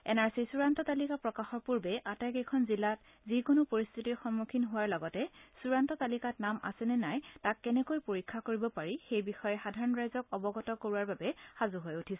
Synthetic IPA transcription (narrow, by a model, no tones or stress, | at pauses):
ɛ̰naɹsisuɹantɔtalikapɹɔkaxɔɹpuɹbɛʔatakɛkʰɔnzilːat | zikonʊpoɹist̪ʰitixɔnmukʰinɦʊwaɹlɔɡɔtɛsuɹantɔtalikatnama̰sɛnɛnajtakːɛnɛkojpoɹikʰːakoɹibɔpaɹixejbixɔjɛxadʱaɹɔnɹajzɔkɔbɔɡɔtɔkoɹuaɹbabɛxazuɦojutʰisɛ